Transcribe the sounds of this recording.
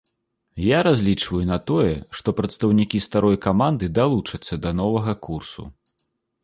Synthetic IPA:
jaɾazʲlʲit͡ʂvɐjunɐt̪ɔjɛ̰ʂt̪ɔpɾɐt̪st̪ɐwnʲikʲist̪aɾɔjkamand̪ɨd̪alˠut͡ʂɐt̪sːɐd̪ɐnɔvɐɣɐkursṵ

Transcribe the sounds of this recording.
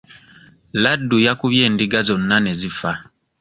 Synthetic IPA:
ladːujakuβje̞ːndiɡazo̞nːane̞zifa

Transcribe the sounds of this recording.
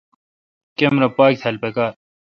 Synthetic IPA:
kemɾɐpaːk̚t̪ʰɐlpekaːɾ

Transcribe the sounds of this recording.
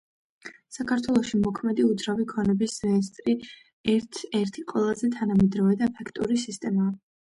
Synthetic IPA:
sakʰaɾt̪ʰwɛlˠɔʃimɔkʰmɛd̪iud̪zɾavikʰɔnɛbisɾɛist̪ʼɾi | ɛɾt̪ʰɛɾt̪ʰiqʼwɛlˠazɛt̪ʰanamɛd̪ɾɔvɛd̪aɛpʰɛkʰt̪ʼuɾisist̪ʼɛmaː

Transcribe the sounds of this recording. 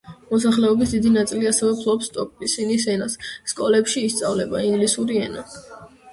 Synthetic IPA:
mɔs̬aχlɛɔbisd̪id̪inat̪sʼiliasɛvɛpʰlˠɔpsːt̪ʼɔpʼisinis̬ɛnasːkʼɔlɛpʃiːst̪sʼavlɛbaiŋɡlisuɾiɛna

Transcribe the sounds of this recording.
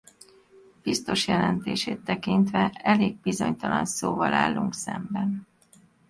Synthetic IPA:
b̥ist̪o̞ʃjɛlɛnt̪eːʃeːt̪ːɛkint̪ʋɛɛleːɡ̚bizo̞ɲt̪ɒlɒnsoːvɒlaːlːuŋksɛmbɛn

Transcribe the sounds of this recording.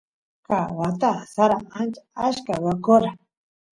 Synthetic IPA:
kawat̪asaɾaant͡ʃḁaʃkawakoɾa

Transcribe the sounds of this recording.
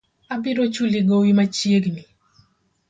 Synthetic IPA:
abɪɾot͡ʃuliɡowimat͡ʃjeɡni

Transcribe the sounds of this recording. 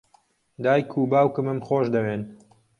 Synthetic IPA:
d̪aːjkʰuːbaːwkɨmɨmχoːʃd̪ɐweːn

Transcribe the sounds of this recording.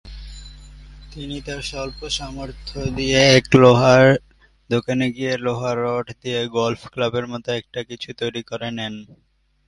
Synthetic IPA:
t̪init̪aɾʃɔlpoʃɔmoɾt̪ʰod̪ijeɛkloɦaɾ | d̪okaneɡieloɦaɾːɔʈʰd̪ieɡɔlfklabeɾmɔt̪oɛk̚ʈakit͡ɕʰut̪ojɾikɔɾenɛn

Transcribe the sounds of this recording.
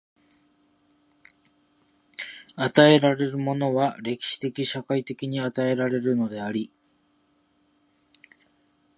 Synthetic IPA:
at̪ae̞ɾaɾe̞ɾɯ̟mo̞no̞βaɾe̞kʲi̥ɕi̥t̪e̞kʲiɕakait̪e̞kʲiɲ̟iat̪ae̞ɾaɾe̞ɾɯ̟no̞d̪e̞aɾʲi

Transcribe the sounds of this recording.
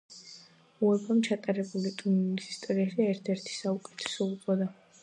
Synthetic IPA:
uɛbamt͡ʃʰat̪ʼaɾɛbulit̪ʼuisi̥st̪ʼɔɾiaʃiɛɾt̪ʰɛɾt̪ʰi̥saukʼɛ̥t̪ʰɛ̥sɔupʼɔd̪a

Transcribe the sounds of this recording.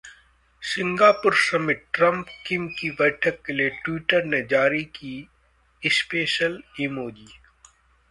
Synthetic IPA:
sɪ̃ŋɡaːpʊɾsɐmɪʈʈɾɐ̃mpkɪmkiʋɛːʈʰəkːelieʈwiːʈəɾned͡ʒaːɾiki | ɪspeːʃəlimoːd͡ʒiː

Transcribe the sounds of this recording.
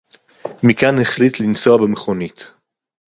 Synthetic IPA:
mikanheχlitlinsoabemeχonit̪

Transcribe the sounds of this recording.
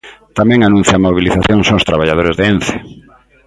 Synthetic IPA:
t̪amɛ̃ŋanũn̟θjamoβiliθaθjoŋsõŋst̪ɾaβaʎað̞oɾezðeen̟θe̥

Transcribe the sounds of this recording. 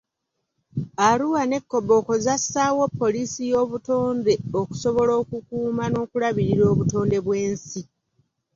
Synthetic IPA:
aɾuwane̞kːo̞bo̞ːkozasaːwo̞pːo̞lisijo̞ːβuto̞ːnde̞oku̥so̞βo̞lo̞ːkukuːmano̞ːkulaβiɾiɾo̞ːβuto̞ːnde̞βwe̞ːnsi

